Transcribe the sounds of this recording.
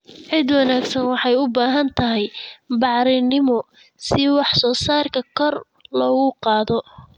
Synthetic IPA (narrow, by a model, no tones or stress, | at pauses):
ʕɪd̪wɑnaːɡsɐnwɑħɑjʊbaːɦɐnt̪ʰɐɦɛjbɑʕɾɪnɪmɔ | sɪwɑħsɔːsaːrkʰɐkʰɔr | lɔːɣʊqɑːðɔ